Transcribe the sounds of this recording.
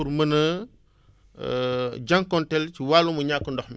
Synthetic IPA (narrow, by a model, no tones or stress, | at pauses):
uɾmɐnɐ | ɟaŋkɔntɛlciwaːlumɐɲakːəndɔxmi